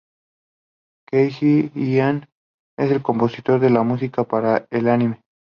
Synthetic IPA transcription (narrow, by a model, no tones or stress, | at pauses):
kejxiian | e̞se̞lko̞mpo̞sit̪o̞ɾðe̞lamus̬ikapaɾaelanime̞